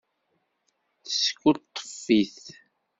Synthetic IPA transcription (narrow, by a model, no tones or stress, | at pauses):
θsə̥kːut̪ˤːə̥fːiθ